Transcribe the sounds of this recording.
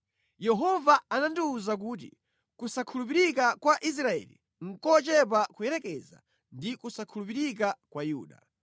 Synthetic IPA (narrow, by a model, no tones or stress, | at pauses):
jɛɦɔvaanandiːzak̬uːt̬ḭ | kusakʰulup̬iɾikakwaʔis̬ɾaɛ̰lḭ | ŋ̩kɔt͡ʃɛp̬akujɛɾɛkɛza̰ | ndikusakʰulupiɾikakwajuːɗa̰